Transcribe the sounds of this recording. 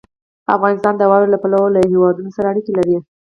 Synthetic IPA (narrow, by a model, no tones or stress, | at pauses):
a̰fɣɑnɪst̪ɑnd̪əwɑlolapalawolahewɑd̪unosaɾaːɽikelaɾi